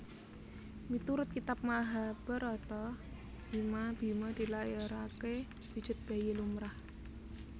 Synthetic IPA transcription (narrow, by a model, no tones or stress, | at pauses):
mit̪uɾʊt̪̚kit̪ap̚maɦab̥əɾɔt̪ɔ | b̥imab̥i̤mad̪̥i̤laeɾake | b̥i̥d͡ʒ̥ɪ̤t̪̚b̥ajelumɾah